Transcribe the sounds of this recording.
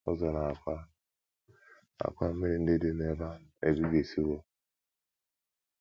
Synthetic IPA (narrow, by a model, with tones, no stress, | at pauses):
ɔ̰˦zɔ˨na˨a˨kʷa˦ | a̰˨kʷa˦m̩˦me˦ɾi˨n̩˦dɪ˦dɪ˦ne˦˨ba˦e˨bi˦ɡe˨si˦wo˦